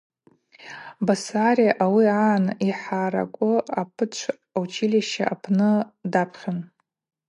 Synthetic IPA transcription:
basaɾijaʔawiaːniħaɾa̰kʷʼʊapʰɨt͡ʃʷʰ | awt͡ʃʰiliʃaʔapʰnɨdapʰχʲon

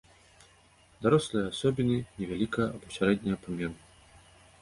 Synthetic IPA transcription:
d̪aɾɔslˠɨjɐasɔbʲinɨnʲɛvʲalʲikɐjɐʔɐbɔsʲaɾɛd̪ʲnʲɐjɐpamʲɛnɨ

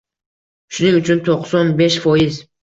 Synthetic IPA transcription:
ʃʊnɪŋʊt͡ʃʰʊnt̪ʰoqsɒnbeʃfɒjɪz

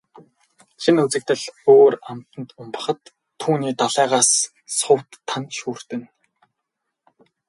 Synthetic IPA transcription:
ʃinut͡sɘ̆k̚t̪ɘ̆ɮoːram̥t̪ə̆nt̪ʊmpə̆χə̆t̪ʰː | uːniːt̪aɮæːʁaːs | sʊwt̪ʰːanʃuːr̥t̪ɘ̆n

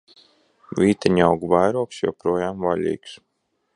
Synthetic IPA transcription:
vʲiːt̪ɛɲawɡuvajɾuɔksjo̰wpɾuɔjaːmvalʲḭːks

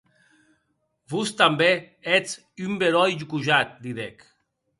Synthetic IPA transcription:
bust̪ambe | et͡s | ymbeɾɔjʒukuʒat̪̚d̪iðek

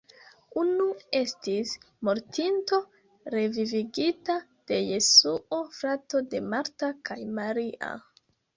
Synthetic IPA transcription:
unue̞stis | mo̞ɾtinto̞ | ɾe̞viviɡitad̥e̞je̞suofɾato̞de̞maɾtakajmaɾiʔa̰

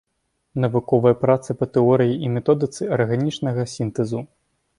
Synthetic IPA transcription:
nɐvukɔvɐjɐpɾat̪sɐpɐt̪ɛɔɾɨjiʔimʲɛt̪ɔd̪ɨt̪sɨɐrɣanʲit͡ʂnɐɣɐsʲint̪ɛzu

